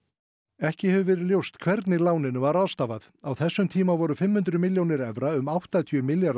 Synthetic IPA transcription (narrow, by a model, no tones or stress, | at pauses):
ɛhcɪhɛvʏvɛːɾɪðljowst̪kʰvɛɾt̪nɪlaːwnɪnʏvaɾaðst̪aːvaθ | awθɛsːʏmt̪ʰiːmavɔɾʏfɪmhʏnt̪ɾʏmɪljownɪɾɛvɾaʏmawht̪at̪ʰjœmɪljaɾ